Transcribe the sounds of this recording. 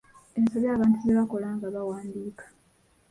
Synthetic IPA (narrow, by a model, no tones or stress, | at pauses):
e̞nsoβjaːβaːntuzeβako̞laːŋɡaβawaːndiːkḁ